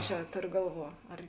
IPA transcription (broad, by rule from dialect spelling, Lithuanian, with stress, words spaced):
ˈt͡ʃʲɛ ˈtoːrʲoː ˈɡɐlˠˌʋuɔ ɐr